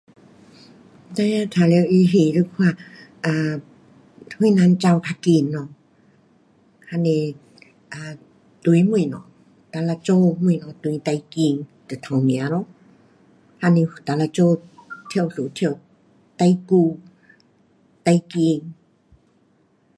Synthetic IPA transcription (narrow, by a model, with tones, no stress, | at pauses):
t̪a˧ja˧t̪ʰa˨˧le˧wʔi˧ɦi˧˨ɾɨ˧kʰwa˧˨ʔa˧˨ | hu˧˦nã˧˦nt͡ʃa˧wk̪ʰa˧ki˧˨nːɔ˧˨ | ha˧ne˧ | ʔa˨ | t̪u˧˦mu˧˨nɔ̰˨ | t̪a˧la˧t͡ʃo˧mu˧˨nɔ˧˨t̪u˧˦t̪a˧jki˧ŋt̪ɨ˨t̪ʰã˨wmĩ˨a˨˦ɾɔ˧˨ | ha˧ne˧˨t̪a˨˧˨la˧t͡ʃo˧t̪ʰjwsu˨t̪ʰj | t̪a˧jku˧ | t̪a˧jki˧ŋ